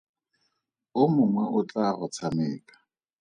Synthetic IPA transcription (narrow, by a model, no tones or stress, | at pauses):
ʊmʊŋwɛʔʊt͡ɬʼaɣɔt͡sʰamɪːkʼḁ